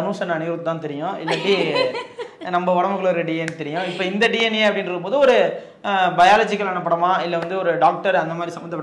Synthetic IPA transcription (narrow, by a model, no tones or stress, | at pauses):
ɐnuːsɐnɐniːɾɯt̪ːɯt̪ãːt̪ɛɾɪjʊ̃ɪlːɐpɽi | nɐmbɐɔɽɐmɯkːɐɭɔɾɯɖienɯt̪ɛɾɪjʊ̃ɪpːoːɪnd̪ɐɖijenjeːɐpːɐɽɪnɾɯkːɯmp̬oːðɯɔɾɯ | bɐɪjaːlɐːd͡ʒɪkːɐlɛnɐp̬ːɐɽɐmãːɪlːɐʋɐnd̪ɯɔɾɯɖaːk̚ʈɐɾɐnd̪ɐmaːd̪ɾisɐmbɐnd̪ɐpːɐ